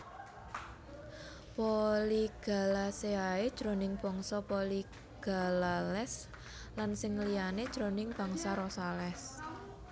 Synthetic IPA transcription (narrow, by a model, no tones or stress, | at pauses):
poliɡ̥a̤laseae̥ʒ̥ɾo̤nɪŋb̥ɔ̤ŋsɔpoli | ɡ̥a̤lalɛs | lansɪŋliane̥ʒ̥ɾonɪŋb̥a̤ŋsaɾɔsalɛs